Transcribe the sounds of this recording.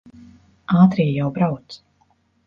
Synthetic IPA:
aːt̪ɾijjawbɾawt̪s

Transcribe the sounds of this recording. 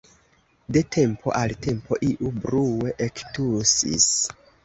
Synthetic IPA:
de̞tʰe̞mpʰo̞̰ʔalte̞mpʰo̞ʔiʔubɾuwe̞ʔektusḭs

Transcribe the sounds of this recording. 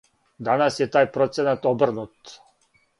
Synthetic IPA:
d̪anasjɛt̪aːjpɾɔt̪sɛnat̪ɔbr̩nut̪

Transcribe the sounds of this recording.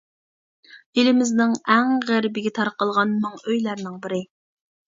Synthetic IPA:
elɪmɪznɪŋɛŋʁæɾbɪɡʲɛt̪ʰɑɾqəlˠʁɑnmɑŋøjlæɾnɪŋbɪɾɪ

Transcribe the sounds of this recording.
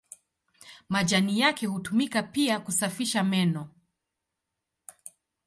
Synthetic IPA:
maʄanijakɛhutumikapiakusafiʃamɛnɔ

